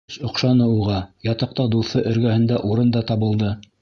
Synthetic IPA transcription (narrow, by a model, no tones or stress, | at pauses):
ʃŏqʃɑnɤuʁɑjɑt̪ɑq̚t̪ɑd̪uθɤʔɵ̆ɾɡæhɘ̆nd̪æʔuɾɤnd̪ɑt̪ɑβɤ̆lˠd̪ɤ